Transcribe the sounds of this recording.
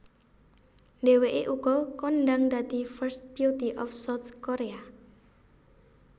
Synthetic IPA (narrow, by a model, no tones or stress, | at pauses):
nɖ̪eweʔeʔuɡ̥ɔkɔnɖaŋd̪ad̪̥i̤fərst̪̚bijut̪iʔɔfsawt̪koɾea